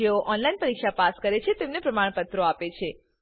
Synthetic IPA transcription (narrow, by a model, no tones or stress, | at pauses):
eoʔɔnlainpəɾikʃapaskəɾet͡ʃʰet̪emnepɾəmaɳ̃pət̪ɾoapet͡ʃʰe